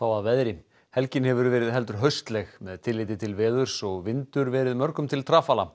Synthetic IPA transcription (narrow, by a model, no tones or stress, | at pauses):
aːwaðvɛðɾɪ | hɛlcɪnhɛvʏɾvɛːɾɪðɦɛlt̪̬ʏɾ̥ɦœɥst̪lɛɣmɛðt̪ʰɪlːɪːt̪ɪt̪ʰɪlvɛːðʏɾ̥sɔɣvɪnt̪ʏɾvɛːɾɪðmœɾkʏmt̪ʰɪlt̪ʰɾaːfaːla